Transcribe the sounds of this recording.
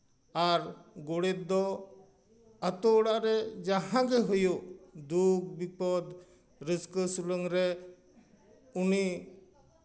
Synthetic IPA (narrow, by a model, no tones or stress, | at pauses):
aɾɡoɽet̪̚d̪ɔ | ət̪oɽaɾɛd͡ʒaɦãɡeɦujod̪uk̚bipɔd̪ | ɾəskəsuləŋɾɛ | uni